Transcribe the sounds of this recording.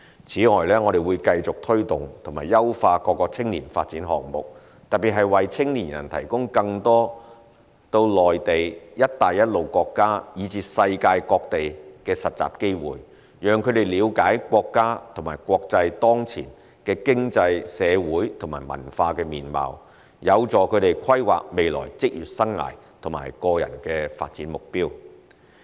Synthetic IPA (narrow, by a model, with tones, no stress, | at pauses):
t͡sʰiː˨˥ŋɔː˨jlɛː˥ŋɔː˨˧ɾe˨jwuː˨˧jkɐ˧jt͡sʊ˨k̚t̪ʰɵ˥ɥt̪ʊ˨ŋt̪ʰʊ˨˩ŋmaː˨˩jɐ˥wfaː˧kɔː˧kːɔː˧t͡sʰɪ˥ŋliː˨˩nfa̰ː˧t̚t͡siː˨˥nɦɔ̰ː˨˩ŋmʊ˨k̚ | t̪ɐ˨t̚pːi˨˩ɦɐ˨jwɐ˨jt͡sʰɪ˥ŋliː˨˩njɐ˨˩nt̪ʰɐ˨˩jkʊ˥ŋkɐ˧ŋt̪ɔː˥ | t̪o˧wlɔː˨jt̪e˨jjɐ˥t̚t̪aː˨jɐ˥t̚lo˨˩wkɔː˧kːaː˥jiː˨˧t͡siː˧sɐ˧jkaː˧jkɔː˧k̚t̪e˨jkɛː˧sɐ˨t̚t͡sa̰ː˨p̚ke˥jwṵː˨˩j | jœː˨ŋkʰɵ˨˧ɥt̪e˨˩jliː˨˧wkaː˨˥jkʷɔː˧kːaː˥t̪ʰʊ˨˩maː˨˩jkwɔː˧k̚t͡sɐ˧jt̪ɔː˥ŋt͡sʰḭː˨˩n | kɛː˧kɪ˥ŋt͡sɐ˧jsɛː˨˧wuː˨˥jt̪ʰʊ˨˩ŋmaː˨˩jmɐ̰˨˩nfaː˧kɛː˧miː˨˩nma̰ː˨w | jɐ˨˧wt͡sɔː˨kʰɵ˨˧t̪e˨jkʰɐ˥jwa̰ː˨k̚me˨˧jlɔ̰ː˨˩jt͡sɪ˥k̚jyː˨t̚sɐ˥ŋːa̰ː˨˩j | t̪ʰʊ˨˩ma̰ː˨˩jkɔː˧jɐ̰˨˩nkɛː˧fa̰ː˧t̚t͡siː˨˥nmʊ˨k̚piː˥w